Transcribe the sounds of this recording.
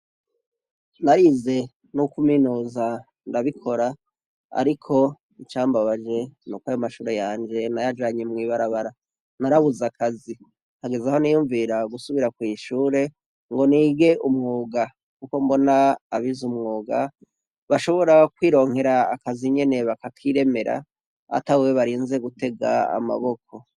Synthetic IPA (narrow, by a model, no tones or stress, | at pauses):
naɾize̞ | nukuminuːza | ndaβikʰo̞ɾa | a̰ɾikʰo̞ | it͡ʃaːmbaβad͡ʒe̞nukwaːjomaʃuːɾe̞jaːɲd͡ʒe̞najad͡ʒaːɲemŋiːβaɾaβaɾa | naɾaβuzakazi | haɡe̞zaho̞nijuːɱviɾaɡusuβiɾakwiːʃuːɾe̞ | ŋɡo̞niːɡe̞ʔumŋuːɡa | kuko̞mbo̞naːβizumŋuːɡa | βaʃo̞βo̞ɾakwiːɾo̞ːŋhe̞ɾaːkaziɲe̞ne̞βakakʰiɾe̞me̞ɾa̰ | a̰tawweβaɾiːnze̞ɡute̞ɡa̰a̰ma̰βo̞kʰo̞